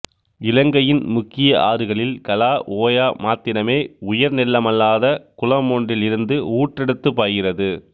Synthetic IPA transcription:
ɪlɐŋɡɐjɪnmʊkːɪjɐʔaːɾɯɣɐɭɪlkɐlaːʔoːjaːmaːt̪ːɪnɐmeːʊjɐɾnɪlːɐmɐlːaːðɐkʊlɐmoːɳɖɪlɪɾɯnd̪ɯuːʈrɛɽɯt̪ːɯpːaːɣɪrɐðɯ

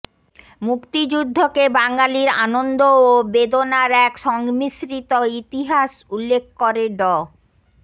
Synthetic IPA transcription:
mukt̪id͡ʑud̪ʱːokebaŋɡaliɾa̰nond̪oobed̪onaɾɛkʃɔŋmisɾit̪oit̪iɦaʃulːek̚ʰkoɾeɖɔ

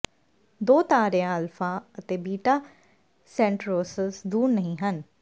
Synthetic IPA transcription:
d̪oːt̪aːɾejãəlfʰãːət̪eːbiːʈaː | sɛ̃ːɳʈɾoːsəsd̪uːɾnəɦĩːɦən

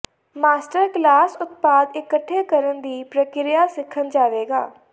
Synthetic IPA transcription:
maːsʈəɾklaːsʊt̪̚paːd̪ɪkəʈʰːeːkəɾənd̪iːpɾəkɪɾɪjaːsɪkʰːənd͡ʒaːʋeːɡa̰ː

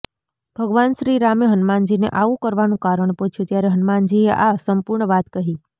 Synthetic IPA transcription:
b̥ʱəɡʋanʃɾiɾameɦənmand͡ʒinḛʔaʋũkəɾʋanũkaɾəɳput͡ʃʰjũt̪jaɾeɦənmand͡ʒieʔasəmpuɾɳəʋat̪kəɦi

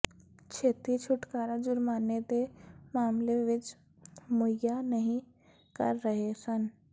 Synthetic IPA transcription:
t͡ʃʰeːt̪it͡ʃʰʊʈkaːɾad͡ʒʊɾmaːnet̪emaːmleʋɪt͡ʃ | mʊjanɐɦĩ | kɐ̰ɾːəɦesən

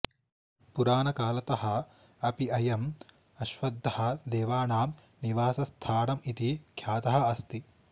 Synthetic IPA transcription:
puɾaːnɐkaːlɐt̪ɐhɐ | ɐpiɐjɐm | ɐʃʋɐd̪ʱːɐhɐ̆d̪eːʋaːnaːm | niʋaːsɐst̪ʰaːɳɐmit̪ikʰjaːt̪ɐɦɐɐst̪i

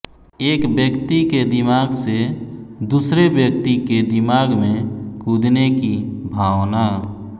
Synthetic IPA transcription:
eːkbjəkt̪iked̪ɪmaːɡsed̪usɾebjək̚t̪iked̪ɪmaɡmẽkud̪nekibʱaʋna

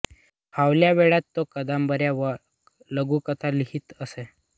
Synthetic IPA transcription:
haʋljaʋeɭat̪ːokəd̪ambəɾjaʋ | ləɡukət̪ʰaliɦiːt̪əse

